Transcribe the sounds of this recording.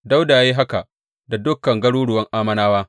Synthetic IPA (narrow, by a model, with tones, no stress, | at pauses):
da˦wdaː˨jjiː˦ɦa˦ka˨ | da˨dʊ˦kːɐ˨ŋɡɐ˦ɽuː˦ɽʊ˨wɐ˦ŋʔaː˦mɐ˦naː˦waː˦